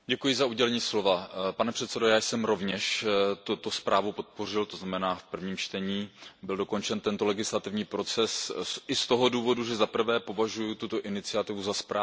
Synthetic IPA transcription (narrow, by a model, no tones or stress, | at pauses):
ɟɛkujɪzauɟɛlɛɲiːslo̞vapanɛpr̥ɛt̪sɛdojaːjsɛmɾo̞vɲɛʃt̪ut̪ospɾʔaːvupo̞t̪̚po̞r̝ɪlt̪o̞znamɛnaːfpr̩vɲiːmt͡ʃt̪ɛɲiːbɪldo̞ko̞nt͡ʃɛnt̪ɛnt̪o̞lɛɡɪslat̪ɪvɲiːpɾo̞t͡sɛsʔɪst̪o̞ɦo̞duːvo̞duʒɛzapr̩vɛːpo̞vaʒujut̪ut̪o̞ʔɪnɪt͡sɪat̪ɪvuzaspɾaː